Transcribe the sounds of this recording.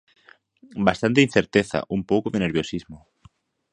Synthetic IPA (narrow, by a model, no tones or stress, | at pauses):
bast̪ant̪ein̟θeɾt̪eθa̰ʔumpowkoðeneɾβjosizmo